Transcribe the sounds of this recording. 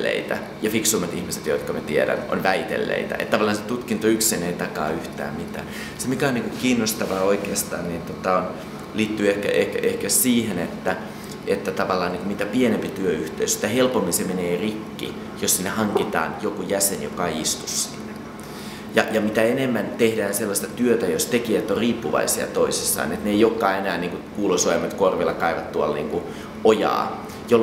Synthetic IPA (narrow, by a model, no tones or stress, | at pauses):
ḛit̪æ̰ | jɑfiksuːmːɑt̪ihmiset̪joit̪kɑmæt̪ieɾæ̰no̰nʋæit̪ḛlːḛit̪æ̰ḛt̪t̪ːɑʋɑlːˑɑːnset̪ut̪kint̪oyksineit̪ɑkɑ̰ːyht̪æ̰ːmmit̪æ̰ːn | semikæoniŋkokiːnːost̪ɑʋɑːoikeːst̪ɑ̰ːnnint̪ot̪ɑon | liːt̪ːyehkæ̰ʔehkæʔehkæsiːhenet̪ːæ | et̪ːæt̪ɑʋɑlːɑːniːŋkumit̪æpienempit̪yøyht̪eysi̥t̪ːæhelpomːinsemeneːrikːḭ | jossinːehɑŋkit̪ɑ̰ːnjokujæsenjo̰kɑeiist̪u̥sːḭnːe | jɑ̰jɑmit̪æenemːænt̪ehdæːnselːɑst̪ɑt̪yøt̪æjost̪ekiæt̪ːoriːpːuʋɑ̰isiɑ̰t̪oisisːɑ̰ːnet̪neijokːɑːenæːnniːŋkukuːloisɑemːɑt̪korʋelːɑkɑiʋɑt̪t̪uɑlnḭːŋku | ojɑ̰ː | jo